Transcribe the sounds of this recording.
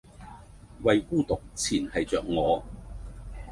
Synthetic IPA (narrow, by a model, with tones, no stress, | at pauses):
wɐ˨jkuː˥˧t̪ʊ˨k̚t͡sʰiː˨˩nhɐ˨jt͡sœː˨k̚ŋɔː˨˧